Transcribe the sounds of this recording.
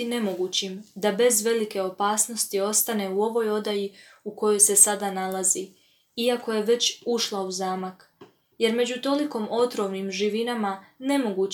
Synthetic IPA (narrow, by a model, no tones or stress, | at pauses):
ine̞mo̞ɡuːt͡ɕimd̪abe̞zʋe̞like̞o̞paːsno̞st̪io̞st̪ane̞uo̞ʋo̞jo̞d̪aji | uko̞jo̞jse̞sad̪analazi | iako̞je̞ʋe̞t͡ɕuʃlˠauzaːmak | je̞ɾme̞d͡ʑut̪o̞liko̞mo̞t̪ɾo̞ʋnimʒiʋinamane̞mo̞ɡuː